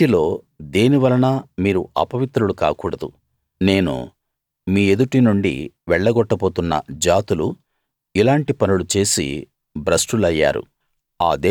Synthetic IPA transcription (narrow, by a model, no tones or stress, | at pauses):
ilo̞ː | d̪eːniʋɐlɐnɐmiːɾuʔɐ̰pɐʋit̪ɾuluka̰ːkuːɽɐd̪ṵ | ne̞ːnṵ | miːed̪uʈinuɳɖḭʋɛɭːɐɡɔʈːɐpo̞ːt̪unːɐ̰d͡ʒaːt̪ulu | ilaːɳʈipɐnulut͡ʃe̞ːsḭ | bɾɐsʈulɐjːa̰ːɾṵ | a̰ːd̪e